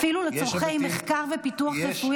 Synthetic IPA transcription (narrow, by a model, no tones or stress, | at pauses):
filulet͡soʁχejmeχkaʁvepituaχjefuj